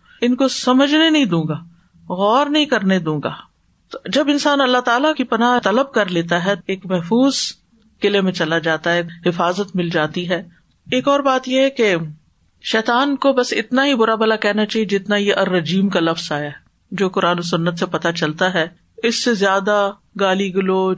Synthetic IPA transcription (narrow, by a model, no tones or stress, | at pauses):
ɪnkosɐməd͡ʒʱnenɐɦĩd̪ũːŋɡaː | ɣɔːɾnɐɦĩkɐɾned̪ũːŋɡa̰ː | t̪od͡ʒɐbɪnsaːnɐlːat̪aːlakipɐnaːɦt̪ɐləb̚kɐɾleːt̪aɦɛeːkmɛɦfuːz | kɪlemẽt͡ʃɐlad͡ʒaːt̪aɦɛːɦɪfaːzət̪mɪld͡ʒaːt̪iɦɛː | eːkɔːɾbaːt̪jeɦɛke | ʃɛːt̪aːnkobɐsɪ̰t̪naɦibʊɾabɐlakɛɦnat͡ʃaːɦied͡ʒɪt̪naijeʔɐɾːɐd͡ʒiːmkalɐfz̥aːjaɛ | d͡ʒoːkʊɾaːnosʊnːət̪sepɐt̪at͡ʃɐlt̪aɦɛ | ɪsːezjaːd̪a | ɡaːliɡʊloː